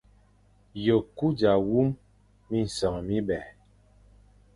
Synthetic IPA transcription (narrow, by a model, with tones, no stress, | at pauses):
jo˨ku˦d͡ʒa˨wu˦m | mi˦n̩˨sɔ˨ŋ˨mi˦ɓɛ˨